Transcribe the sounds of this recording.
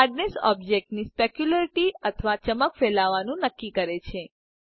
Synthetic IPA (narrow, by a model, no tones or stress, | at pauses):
aɖnesɔ̰b̚d͡ʒek̚ʈnispekjulaɾiʈiət̪ʰʋat͡ʃəməkfelaʋanũnəkːikəɾet͡ʃʰe